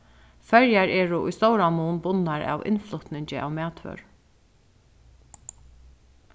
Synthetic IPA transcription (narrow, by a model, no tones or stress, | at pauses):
fɛɹjaɹɛːɹʊʔʊ̰jst̪ɔːwɾamuːnbʊnːaɹa̰ːwʔɪ̰nflʊt̪nɪɲt͡ʃɪʔa̰wmæːt̪ʋœ̰ɹ